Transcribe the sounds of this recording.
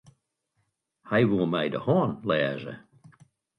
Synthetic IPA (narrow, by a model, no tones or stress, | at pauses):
haɪwulˠmeɪdə̰hɔːnlɛːʒə̰